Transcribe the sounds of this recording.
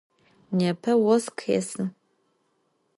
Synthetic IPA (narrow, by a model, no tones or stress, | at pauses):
nɛpʰɐwɔskʰḛsɨ